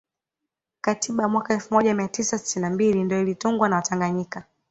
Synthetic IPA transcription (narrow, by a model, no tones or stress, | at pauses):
katiɓamwakaɛlfumɔʄamiatisasi̥tinambilindijɔilituŋɡwanawataŋɡaɲika